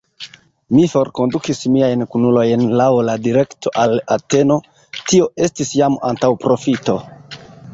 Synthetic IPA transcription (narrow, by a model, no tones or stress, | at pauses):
mifo̞ɾko̞ndukismiajnkunulo̞jnlawladiɾe̞ktʰo̞ʔala̰te̞no̞ | tio̞ʔe̞stisjama̰ntawpɾo̞fito̞